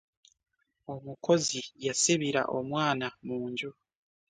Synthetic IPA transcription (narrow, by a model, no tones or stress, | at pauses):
o̞mukʰo̞zijasiβiɾa̰ʔo̞mwaːnamuːɲɟu